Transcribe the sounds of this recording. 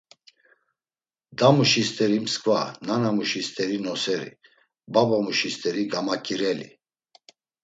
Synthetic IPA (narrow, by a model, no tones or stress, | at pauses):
d̪amuʃist̪ʼɛɾimskʼva̰nanamuʃist̪ʼɛɾinɔsɛɾḭ | babamuʃist̪ʼɛɾiɡamakʼiɾɛlḭ